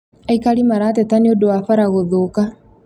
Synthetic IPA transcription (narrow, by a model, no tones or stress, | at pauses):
aikalimaɾatɛtaneodowafaɾaɣoðoka